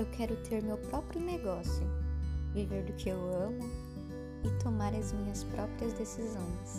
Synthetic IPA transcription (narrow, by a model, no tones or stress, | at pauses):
ewkʰɛɾʊt̪ʰeɾmewpɾɔpɾjʊneɡɔsjʊviveɾd̪ʊkɪewɐ̃mʊ | ɪt̪omaɾɐzmĩɲɐspɾʔɔpɾiɐzd̪esizõj̃s